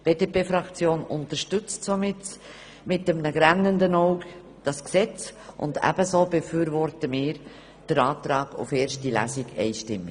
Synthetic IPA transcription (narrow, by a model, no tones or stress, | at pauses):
b̥eːdepeːfɾɑkt͡sjoːnʊntəɾʃtʏt͡stsomɪt | mɪt̚dəmnəɡɾænːəndənoʊk | d̥ɑsksɛt͡sʔʊ̰ndæ̰b̥əsoːbəfyːɾvɔɾtəmɪːɾ | d̥əɾɑːt̪ɾɑːɡ̥ʊ̰feːɾʃtdilæ̰sɪɡɛ̰ɪʃtɪmi